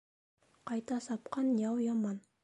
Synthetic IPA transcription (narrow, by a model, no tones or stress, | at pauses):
qɑjt̪ɑsɑpqɑnjɑwjɑmɑn